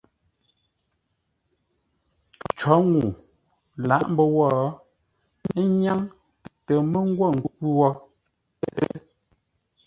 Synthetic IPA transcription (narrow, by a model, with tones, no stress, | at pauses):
t͡ʃɔ˨˦ŋu˨ | la˨˦˨ʔm̩˦bə˦wɔ˦˨˦ | ɲa˦ŋ | ttə˨mə˦ŋ̩˦ɡwɔ˦˨ŋ̩˨ɡpu˦wɔ˦˨ | ʔ